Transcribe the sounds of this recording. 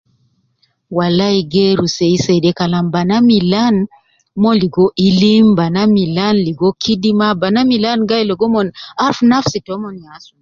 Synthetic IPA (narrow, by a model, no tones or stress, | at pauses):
walaiɡeɾuseisɛdɛkalambanamilan | mɔliɡɔʔilimbanamilanliɡɔkʰidimabanamilanɡailɔɡɔmɔnaɾfnafsitɔmɔnɲasu̥